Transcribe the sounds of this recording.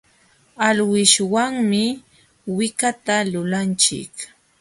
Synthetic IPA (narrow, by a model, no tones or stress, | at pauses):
alwɪʃwaŋmɪ | wɪkat̪alʊlant͡ʃɪ̰k